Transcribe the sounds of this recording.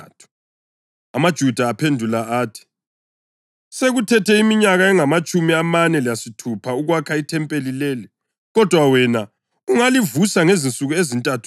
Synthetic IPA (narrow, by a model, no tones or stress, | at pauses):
tʰu̥ | amad̥ʒ̥ʱud̥ʱaːpʰendʱulaaːtʰi̥ | seɣutʰɛtʰɛimiɲaɣaɛŋamat͡ʃʼumiamanɛlijasitʰupʰauɣwakʰaitʰɛmpʼelilɛːlɛ | ɣɔd̥ʱwawɛna | uŋalivusaŋezint͡sʼuɣuezintʼatʰu̥